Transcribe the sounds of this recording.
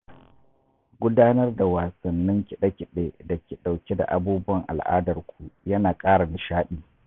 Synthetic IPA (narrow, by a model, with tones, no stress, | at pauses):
ɡʷʊ˦daː˦nɐ˦rda˨waː˨sɐ˨nːɪ˦ŋkʲɪ˨ɗɐ˦kʲɪ˨ɗeː˦da˨kʲi˨ɗa˨wkʲe˦da̰˨ʔa˦buː˦bʊ˦wɐ˨ŋʔa̰˨lʔa̰ː˦dɐ˨rkʷu˨jɐ˦naː˨kʼaː˦ɽa˨nɪ˨ʃaː˦ɗiː˨